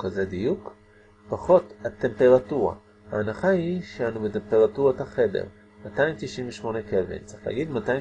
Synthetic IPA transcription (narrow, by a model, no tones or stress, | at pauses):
kazedijuk | paχo̞tat̪ːe̞mpe̞ʁatuʁa̰ | haːnaχaiʃeanubetempe̞ʁatuʁataχe̞dḛʁ | mataimt̪iʃimveʃmo̞nekevḭnt͡sʁiχla̰ːɡid̪matai